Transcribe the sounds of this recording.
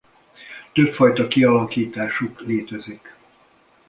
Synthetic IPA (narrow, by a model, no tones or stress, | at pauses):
t̪øpfɒjt̪ɒkiɒlɒkiːt̪aːʃukleːt̪ɛzik